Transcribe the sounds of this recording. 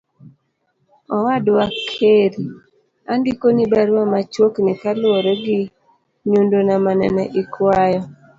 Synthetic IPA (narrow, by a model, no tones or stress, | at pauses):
ɔwadwakʰeɾi | andikonibaɾwamat͡ʃwoknɛkaloɾɛɡi | ɲundonamanɛ̰nɛʔikwajɔ